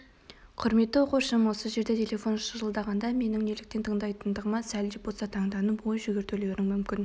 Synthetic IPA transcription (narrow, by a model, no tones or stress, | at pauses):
qʰʊɾme̞t̪ːɪwo̞quʃəmwo̞səʒe̞ɾd̪et̪ʲʰelʲe̞fo̞nʃəʒəlˠd̪ɑʁɑnd̪ɑme̞nɪŋne̞lɪk̚t̪e̞nt̪ʰəɴd̪ɑjt̪ənd̪əʁəmɑsælʒɪp̚bolsɑt̪ʰɑɴd̪ɑnəpwo̞jʒʏɡʲeɾt̪eleɾɪŋmʏmkʲɪn